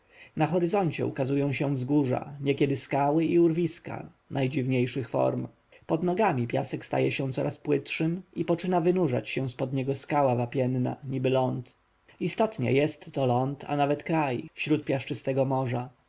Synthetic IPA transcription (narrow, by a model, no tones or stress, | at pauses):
naxɔɾɘzɔɲt͡ɕɛ̰ṵkazujɔ̃w̃ɕɛ̃vzɡuʐa̰ɲɛkʲɛd̪ɘskawɘiuɾvʲiska̰ | najd͡ʑivɲejʂɘxfɔ̰ɾm | pɔd̪nɔɡamʲipʲja̰sɛkst̪a̰jɛɕɛ̃t̪sɔɾaspwɘtʂɘmipɔt͡ʂɘnavɘnuʐa̰t͡ɕɕɛw̃spɔd̪ɲɛɡɔskawavapʲjɛnna̰ɲibɘlɔnt̪ | ist̪ɔt̪ɲɛ̰jɛst̪ːɔlɔnt̪a̰navɛt̪kɾajfɕɾut̪̚pʲjaʂt͡ʂɘst̪ɛɡɔmɔʐa